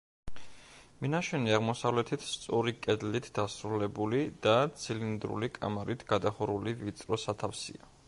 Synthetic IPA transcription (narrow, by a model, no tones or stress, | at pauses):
minaʃɛniaʁmɔsavlɛt̪ʰit̪ʰst̪sʼɔɾikʼɛd̪lit̪ʰd̪̥asɾulɛbulid̪̥at̪sʰilind̪ɾṵlikʼa̰maɾit̪ʰɡ̥ad̪aχɔɾulivit̪sʼɾɔsat̪ʰafsḭa